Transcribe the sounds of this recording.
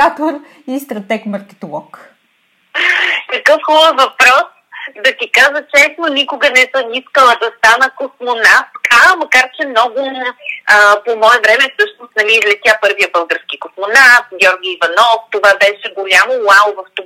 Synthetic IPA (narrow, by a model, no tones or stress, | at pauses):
at̪oɾ | ist̪ɾɐt̪ɛkmɐɾk̪ʲɛ̥t̪olˠɔk | kɐkɤfxubəvɐpɾɔs | d̪ɐt̪ikaʒət͡ʃɛsnonʲikʊɡənɛsəmiskəlˠəd̪ɐst̪anəkoxmonat̪kɐmɐkaɾt͡ʃɛmnɔɡʊəpomɔɛvɾɛmɛfsɤʃnost̪nɐmizlʲɛt̪ʲjapɤɾvijəbɤlˠɡəɾskikoxmonat̪̚ɡʲɔɾɡʲiːvɐnɔft̪ovabɛʃɛɡolʲamolˠalˠvɐft̪